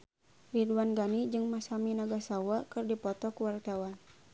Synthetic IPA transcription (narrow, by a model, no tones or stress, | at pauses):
riduanɡanid͡ʒɨŋmasaminaɡasawakɨrdipɔt̪ɔkuwart̪awan